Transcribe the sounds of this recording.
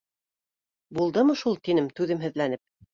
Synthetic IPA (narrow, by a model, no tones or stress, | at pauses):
bulˠd̪ɤmɤʃulˠt̪inɘmt̪ʉðɘmɦɘ̆ðlænɘp̚